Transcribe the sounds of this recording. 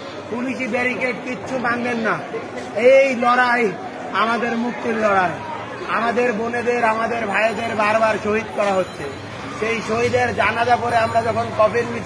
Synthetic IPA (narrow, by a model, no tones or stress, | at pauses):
puliʃibeɾikeʈ̚kitːɕʰubanb̪enːa | ejlɔɽaj | amad̪eɾmuk̚t̪ːiɾlɔɽae | a̰mad̪eɾboned̪eɾamad̪eɾbʱajed̪eɾbaɾbaɾʃoɦid̪kɔɾaɦotːɕʰe | ʃejʃoɦid̪eɾd͡ʑanad̪apoɾeamɾad͡ʑɔkʰonkɔpeɾbi